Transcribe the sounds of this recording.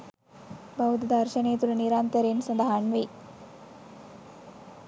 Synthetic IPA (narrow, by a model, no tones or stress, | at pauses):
bɐɦut̪d̪ʱɐɾʃɐneːt̪uɾniɾaːnt̪əɾeːnsɐnd̪aɦaːɳʋej